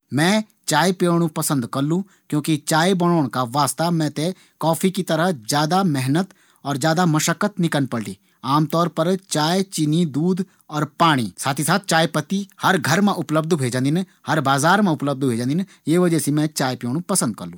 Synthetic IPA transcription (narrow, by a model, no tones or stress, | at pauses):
mɛ̃ː | t͡ʃaːepjoːɽ̃ũpɐsə̃nd̪kɐɾlũ | kjõːkit͡ʃaːebɐɽ̃oːɽ̃kaʋaːst̪amɛ̃ːt̪e | kɔːpʰikit̪ɐɾəɦzjaːd̪amɛɦnət̪ | ɔːɾzjaːd̪amɐʃəkːət̪nɪkənpəɽɖḭː | aːmt̪ɔːɾpəɾt͡ʃaːet͡ʃɪnid̪uːd̪ | ɔːɾpaːɽ̃ḭsaːt̪ʰisaːt̪̚ʰt͡ʃaːepət̪ihɐɾɡʱɐɾmẽʔʊpləb̚d̪bʱeːd͡ʒãːnd̪ɪn | hɐɾbaːzaːɾmẽʊpləb̚d̪bʱeːd͡ʒãːnd̪ɪn | jeːʋəd͡ʒəsimɛ̃t͡ʃaːepjoːɽũpəsə̃nd̪̚kɐɾlːũː